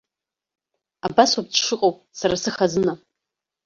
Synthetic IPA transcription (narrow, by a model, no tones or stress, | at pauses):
abaswab̚tʂɨqʼawp̚ʼ | saɾasɨχazɨna